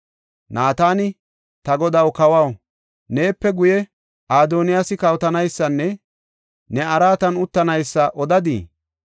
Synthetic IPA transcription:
naːt̪aːnɪ | t̪ɐɡɔd̪ɐwkɐwɐw | ne̞ːpːɛɡʊjɛ | ʔaːd̪oːnɪjasɪkɐwt̪ɐnɐjsːɐnːɛ | nɛɐɾaːt̪ɐnʊt̪ːɐnɐjsːɐʔɔd̪ɐd̪ḭː

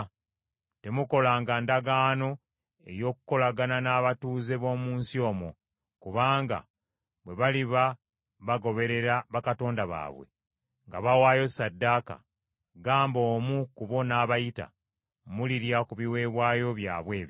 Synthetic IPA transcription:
te̞muko̞laːŋɡandaɡaːno̞ | e̞̰jo̞ːkuko̞laɡananaːβatuːze̞βo̞ːmuːnsio̞ːmo̰ | kuβaːŋɡa̰ | βwe̞βaliβa | βaɡo̞βe̞ɾe̞ɾaβakato̞ːndaβa̰ːβwe̞̰ | ŋɡa̰βawaːjo̞sadːaka̰ | ɡaːmbo̞ːmukuβo̞naːβajita̰ | muliɾjakuβiwe̞ːβwaːjo̞βja̰ːβwe̞ːβji

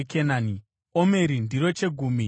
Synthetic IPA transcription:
kʰenaːni | ome̞ɾindiɾo̞t͡ʃe̞ɡʱuːmi

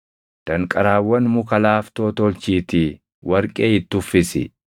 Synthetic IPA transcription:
d̪̥ɐŋkʼɐɾaːwːɐnmʊkɐlaːft̪oːt̪olt͡ʃiːt̪ɪ | wɐɾkʼe̞ːɪt̪ːʊfːɪsɪ̰

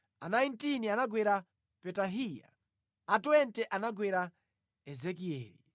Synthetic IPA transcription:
anajntinianaɡwɛɾa | pɛtaɦija̰ | atɔɛntɛʔanaɡwɛɾa | ɛzɛkiɛ̰ːlḭ

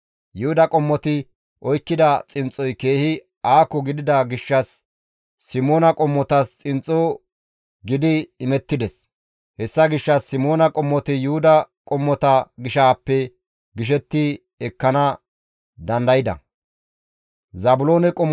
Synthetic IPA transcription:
jʊhʊd̪ɐkʼɔmːɔt̪ɪ | ʔɔjkːɪd̪ɐt͡sʼɪnt͡sʼɔjke̞ːhɪ | aːkːɔɡɪd̪ɪd̪ɐɡɪʃːɐsː | ɪmo̞ːnɐkʼɔmːɔt̪ɐst͡sʼɪnt͡sʼo | ɡɪd̪ɪːmɛt̪ːɪd̪ɛs | hɛsːɐɡɪʃːɐsːɪmo̞ːnɐkʼɔmːɔt̪ɪjʊhʊd̪ɐkʼɔmːɔt̪ɐɡɪʃaːpːɛ | ɡɪʃ̬ɛt̪ːɪ | ɛkːɐnɐ | d̪ɐnd̪ɐjɪd̪ɐ̰ | zɐbʊloːnɛkʼɔmː

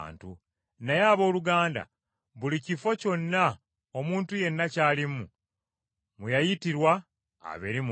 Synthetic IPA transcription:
ntu | najaːβo̞ːluɡaːnda̰ | βulicifo̞co̞nːa | omuːntuje̞nːacaːlimu | mujajitiɾwa | a̰βeɾim

